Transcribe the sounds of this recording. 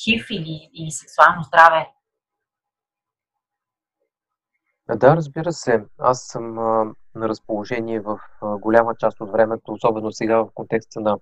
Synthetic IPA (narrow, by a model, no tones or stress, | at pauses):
xifiliiisɛksualˠnozd̪ɾavɛ | d̪aɾəzbiɾəsɛasːɤmnɐɾəspolˠoʒɛniɛvəfɡolʲamət͡ʃast̪ot̪vɾɛmɛt̪oːsɔbɛnosɛɡavəfkont̪ɛkst̪ənɐ